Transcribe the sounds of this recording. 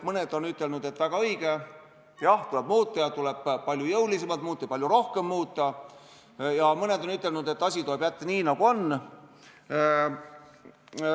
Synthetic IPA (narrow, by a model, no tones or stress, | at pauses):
mɤned̪o̞nyt̪ːˑe̞lnud̪e̞t̪ːvæɡ̥ɑɤjɡ̥e | jɑht̪ule̞bmuːt̪ːˑɑjɑt̪ule̞b̥pɑlʲjujɤwlisemɑlt̪muːt̪ːˑɑpɑlʲjuɾo̞hke̞mːuːt̪ˑːɑ | jɑmɤne̞d̪̥o̞nyt̪ːˑe̞lnud̪̥e̞t̪ːˑɑsʲit̪oeb̥jæt̪ːeniːnɑɡ̥uo̞nː